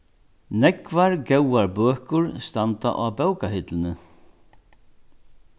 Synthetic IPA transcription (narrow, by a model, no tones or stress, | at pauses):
nɛkvaɹɡɛwaɹbœːhkʊɹst̪ant̪a̰ʔabœwkahɪt̪lɪnɪ